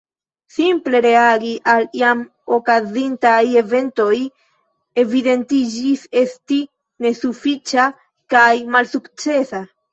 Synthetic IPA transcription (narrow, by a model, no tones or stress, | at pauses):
simple̞ɾe̞aɡiʔaljam | o̞kazintaje̞ve̞nto̞j | e̞vide̞ntid͡ʒise̞sti | ne̞sufit͡ʃa | kajmalsukt͡se̞sa